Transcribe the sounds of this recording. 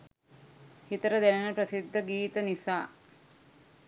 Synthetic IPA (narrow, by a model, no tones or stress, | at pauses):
hit̪əɾəd̪ænenəpɾəsid̪ʱːəɡiːt̪ənisaː